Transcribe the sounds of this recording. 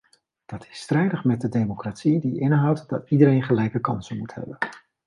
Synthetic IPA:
d̥ɑtɪ̥strɛjdəχmɛt̚dədejmokratsidiɪnɦʌwtd̥ɑ̰tidəɾejnχəlɛjkəkɑnsənmuthɛ̰bən

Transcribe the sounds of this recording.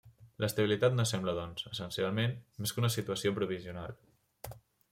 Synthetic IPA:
lʔəst̪əβilit̪at̪nosɛmbləðɔnz̥əsənsialˠmenmeskunəsit̪uəsiopɾuβ̞iziuna̰lˠ

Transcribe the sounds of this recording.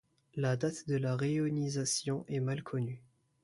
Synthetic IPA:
lad̪at̪d̪əlaʁeɔnizasjɔ̃ʔɛmalkʰɔny

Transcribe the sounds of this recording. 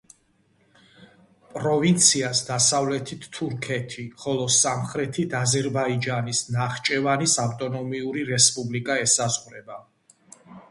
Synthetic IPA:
pʼɾɔvint̪sʰiasd̪asavlɛt̪ʰit̪ʰːuɾkʰɛt̪ʰiχɔlˠɔsamχɾɛt̪ʰit̪ʰazɛɾbaid͡ʒanisnaχt͡ʃʼɛvanisawt̪ʼɔnɔmiuɾiɾɛspʼublikʼaɛsazʁɾɛba

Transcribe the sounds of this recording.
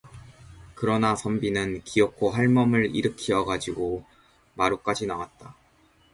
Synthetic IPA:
kɯɾʌnasʰʌmbinɯnkiʌkʰːoɦaɭmʌmɯɾḭɾɯkʰiʌɡad͡ʑiɡo | maɾuk͈ad͡ʑinawat̚t͈a

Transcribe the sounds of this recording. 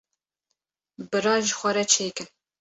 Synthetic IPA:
bɨɾɑːʒxʷɐɾɛt͡ʃʰeːkɨn

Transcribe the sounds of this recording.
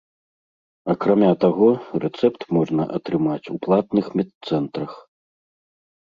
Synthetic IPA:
ɐkɾamʲat̪aɣɔrɛt̪sɛpt̪mɔʐnɐ̰ʔɐt̪ɾɨmat͡sʲuplˠat̪nɨxmʲɛt̪sɛnt̪ɾɐx

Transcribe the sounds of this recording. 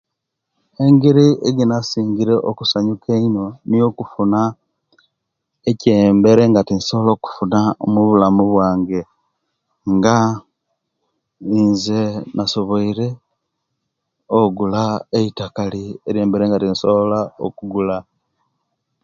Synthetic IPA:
e̞ŋɡiɾiʔeɡinasiːŋɡiɾe̞ʔokusaɲukʰeino̞nijo̞kufuna | ece̞ːmbe̞ɾeŋɡatinso̞lo̞ːku̥funamuβulamuβwaːŋɡe̞ | ŋɡa | inzenaso̞βo̞iɾe̞ | oɡulaeitakalieɾeːmbeɾeŋɡatinsolao̰kuɡula

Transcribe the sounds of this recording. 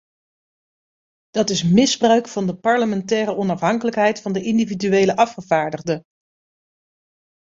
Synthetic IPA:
d̥ɑtɪsmɪzbrœɥkfɑndəpɑɹləmɛntɛːɾəɔnɑfɦɑŋkələkɦɛjtfɑndəʔɪndividyejləʔɑfχəv̥aːɹdəʁdə

